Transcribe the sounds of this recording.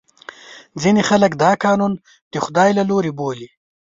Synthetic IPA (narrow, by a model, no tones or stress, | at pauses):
d͡zinexaləkd̪ɑːkɑːnun | d̪̥əxʊd̪ɑːjlaloɾeboːli